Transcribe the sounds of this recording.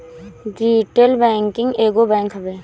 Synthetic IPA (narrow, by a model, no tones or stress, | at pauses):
ɖiːʈelbɛ̃ːŋkɪ̃ŋɡeːɡobɛ̃ːŋkɦɐbeː